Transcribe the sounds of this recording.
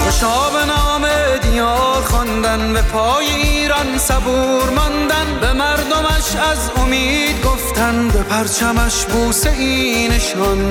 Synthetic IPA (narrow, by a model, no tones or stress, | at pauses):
eʃɒːbenɒːmed̪ijɒːɾxɔnd̪ænbapʰɒːjeiːɾɒnsabuːɾmɒnd̪ænbemæɾd̪omæʃæzomiːd̪ɡoft̪ʰænbepʰæɾt͡ʃʰæmæʃbuːseʔiːneʃɒn